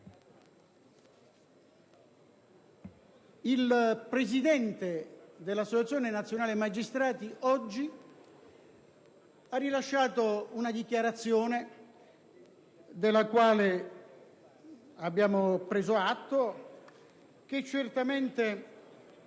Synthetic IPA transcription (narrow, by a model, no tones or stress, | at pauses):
ilpɾezid̪ɛnt̪ed̪elːasːot͡ʃat̪sːjɔːnɪnat̪sjonaːlemad͡ʒist̪ɾaːt̪iʔɔd͡ʒːi | arːilaʃːaːt̪ounad̪ikjaɾat̪sːjɔːne | d̪ɪlːakwaːle | abːjaːmopɾeːzoat̪ːo | k̟et͡ʃːert̪ament̪e